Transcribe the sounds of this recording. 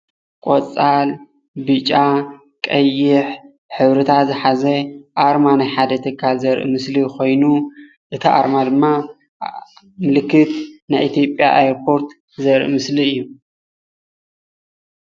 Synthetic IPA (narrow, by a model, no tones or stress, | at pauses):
kʷʼot͡sʼal | bɨt͡ʃʼa | kʼɐjːɪħ | ħɨβɾɨt̪ʰazɨħazɐʔaɾmanajħad̪ɐt̪ʰɨkʰːalzɐɾʔɨ̰mɨsliko̞jnu | ʔɨt̪ʰiʔa̰ɾmad̪ɨmːa | mɨlɨkːɨt̪najʔit̪ʰijo̞pʼja̰ʔa̰jɾpʰo̞ɾt̪ | zɐɾʔɨ̰mɨsliɨjːu